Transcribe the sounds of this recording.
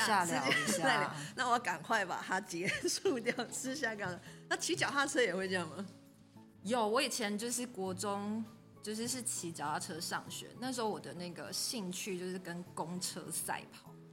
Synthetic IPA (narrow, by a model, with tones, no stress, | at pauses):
ɕja˥˩lj̩̰˥˨˩ʊi˨˧˥ɕjaa˥˩ɪ˨n˨na˥˩wɔ˧˦˥ka˨˩nkʰwa˥˩ɪpa̰˨˩t̪ʰa˦˥t͡ɕjɛ˨˧˦ʂu˥˧t̪̬jɑ˥˩ʊt͡s̩ʰ˥ɕ̬ja˥˧ka˥˩da˨na˥˩t͡ɕʰi˧˥t͡ɕjɑ˨˩ʊxa˥˧ʈ͡ʂʰɤ˥jɛ˨˩xwe˥˧ʈ͡ʂɤ˥jɑ˥˩ŋma˨ | jo˨˩ʊwɔ˧˥i˨˩t͡ɕʰjɛ˧˦nt͡ɕjo˥˧ʊʂɻ̩˥˩kwɔ˧˥ʈ͡ʂʊ˦ŋ | t͡ɕjo˥˧ʊʂ̬ɻ̩˥˧ʂɻ̩˥˩t͡ɕʰi˧˥t͡ɕjɑ˨˩ʊa˥˩ʈ͡ʂʰɤ˦˥ʂɑ̰˥˨˩ŋɕɥɛ̰˧˦na˥˩ʂ̬̩˦˥ho˧˦wɔ˨˩d̪ə˦na˥˩ɡə̰˩ɕi˥˧ŋt͡ɕʰy˥˧t͡ɕjo˥˧ʊʂ̬ɻ̩˥˩kə˦nkʊ˦˥ŋʈ͡ʂʰɤ̰˥sa̰˥˩ɪpʰɑ˨˩˦ʊ